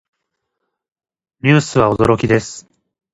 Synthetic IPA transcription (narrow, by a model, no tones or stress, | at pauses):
ɲʲɨːsɨβao̞d̪o̞ɾo̞kʲid̪e̞sɨ̥